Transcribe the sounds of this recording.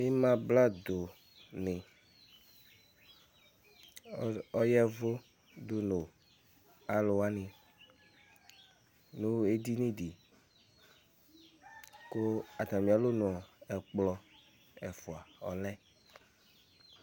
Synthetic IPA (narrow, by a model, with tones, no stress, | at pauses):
e˦mã˦bla˦d̪o˨ | nẽ˨˦ | ɔ˦jɛ˦vo˦ | d̪o˦no˨ | a˨lo˨wa˦nẽ˨ | nũ˦e˦d̪i˦nĩ˦ɖi˨ | ko˦a˨t̪a˨mĩ˨a˨lo˦nõ˨ɔ˨ɛ˨k͡plɔ˦ | ɛ˨fo˨a˨ɔ˨lɛ˦